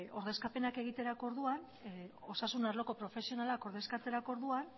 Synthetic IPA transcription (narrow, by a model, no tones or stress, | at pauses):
o̞ɾðe̞skape̞nake̞ɣ̞it̪e̞ɾako̞ɾðuan | o̞sasunaɾlo̞ko̞pɾo̞fe̞sio̞nalako̞ɾðe̞skat͡s̪e̞ɾako̞ɾðuan